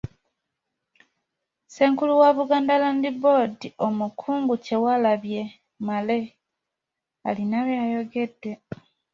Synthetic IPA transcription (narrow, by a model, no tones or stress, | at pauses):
se̞ːŋkuluwaβuɡaːndalandibo̞dio̞mukʰuːŋɡuce̞walaβje̞ | male̞ | a̰linaβjaːjo̞ɡe̞dːe̞